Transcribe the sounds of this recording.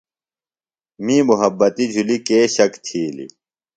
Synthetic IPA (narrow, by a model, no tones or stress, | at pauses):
mĩːmuɦɐbːɐt̪id͡ʑʱulikeːɕɐkt̪ʰiːlḭ